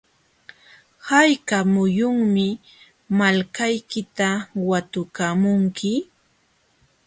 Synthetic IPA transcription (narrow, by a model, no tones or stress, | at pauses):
hajkamʊjʊŋmɪ | malkajkɪt̪awat̪ʊkamʊŋkʰɪ